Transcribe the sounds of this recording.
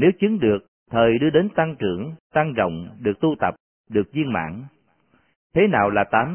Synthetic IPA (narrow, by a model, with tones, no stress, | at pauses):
ne˨˦wt͡ɕɨ˨˦ŋɗɨ˨˩ək̚ | t̪ʰəː˨˩jɗɨ˧əɗe˨˦nt̪a˧ŋt͡ɕɨ˧˩əŋt̪a˧ŋzə̰˧˨wŋ͡mɗɨ˨˩ək̚t̪u˧t̪ə˨˩p̚ | ɗɨ˨˩ək̚zi˧ənma̰ː˧˨n | t̪ʰe˨˦naː˨˩wlaː˨˩t̪aː˨˦m